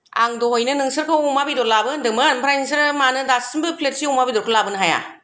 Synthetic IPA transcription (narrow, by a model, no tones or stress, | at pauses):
a̰ŋdɔhojnɯnɯŋsɯɾkʰɯumabidɔɾlabɯndɯmɯnpʰɾajniŋs̬ɯɾmanɯdasɯmbɯpʰlet̚siumabidɔɾkʰɯlabɯnɦaja̰